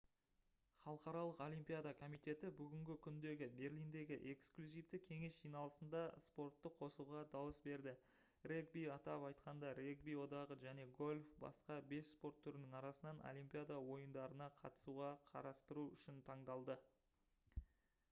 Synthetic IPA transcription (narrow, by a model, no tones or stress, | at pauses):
χɑlˠəqɑɾɑlˠəqo̞lʲimpʲijad̪akʰo̞mijt̪e̞t̪ɪbʏɡʲɪŋɡʲɪkʲʰʏnd̪e̞ɡʲɪbe̞rlʲijnd̪e̞ɡʲɪʔe̞ksklʲuzijft̪ɪkʲʰe̞ŋe̞sʒ̥ijnɑlˠəsənd̪ɑspo̞rt̪ːəqʰo̞suʁɑd̪ɑwəsbe̞ɾd̪ɪ | reɡ̚bijɑt̪ɑpɑjt̪qɑnd̪ɑɾeɡbijwo̞d̪ɑʁəʒæne̞ɡo̞lʲfbɑ̰sqɑbe̞sspo̞rt̪ʰːʏɾɪnɪŋɑɾɑsənɑno̰lʲijmpʲijad̪awo̞jənd̪ɑɾənɑqʰɑ̰t̪ə̥suʁɑqʰɑ̰ɾɑst̪əɾuʏʃɪnt̪ʰɑɴd̪ɑlˠd̪ə